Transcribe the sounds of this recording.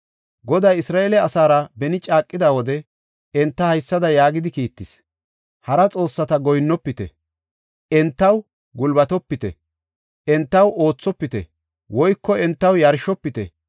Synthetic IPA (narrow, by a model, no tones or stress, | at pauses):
ɡɔd̪ɐjɪsɾaːʔelɛɐsaːɾɐbɛnɪt͡ʃʼaːkʼːɪd̪ɐwɔd̪ɛ | ɛnt̪ːɐhɐjsːɐd̪ɐjaːɡɪd̪ɪkiːt̪ːɪs | hɐɾɐt͡sʼo̞ːsːɐt̪ɐɡɔjnːɔpːɪt̪ɛ̰ | ʔɛnt̪ːɐw | ɡʊlbɐt̪ɔpːɪt̪ɛ̰ | ʔɛnt̪ːɐwo̞ːt͡sːɔpːɪt̪ɛ̰ | wʔɔjkːɔɛnt̪ːɐwjɐɾʃɔpːɪt̪ɛ̰